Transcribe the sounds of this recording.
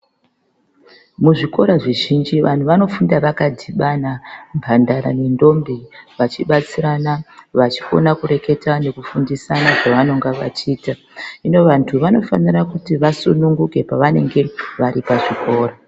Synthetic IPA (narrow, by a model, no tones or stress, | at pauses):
muʐiko̞ɾaʐiʒind͡ʒiʋan̤uʋano̞fundaʋakadʱiɓanambʱandaɾa̰nendo̞mbeʋat͡ʃiɓat͡siɾanaʋat͡ʃi̥ko̞̰nakuɾe̞ke̞tanekufundisanaʐaʋano̞ŋɡaʋa̰t͡ʃiːta | ino̞ʋantʰuʋano̞fanirakutiʋasunuŋɡuke̞paʋane̞ŋɡe̞ʋaɾipaʐiko̞ːɾa